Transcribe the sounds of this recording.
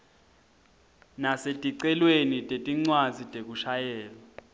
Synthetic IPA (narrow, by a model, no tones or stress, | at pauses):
nasetʼiǀɛlwenitʼetʼiŋ͡ǀwazitʼek̬uʃajɛːlɔ